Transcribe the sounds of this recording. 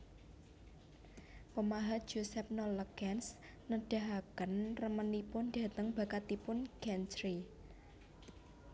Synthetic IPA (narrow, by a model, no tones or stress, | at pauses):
pəmaɦḁʒ̥osɛp̚nɔləkɛns | nəɖ̥a̤ɦakənrəmənipʊnɖä̤t̪əŋb̥a̤kat̪ipʊnɡ̥ɛnsɾi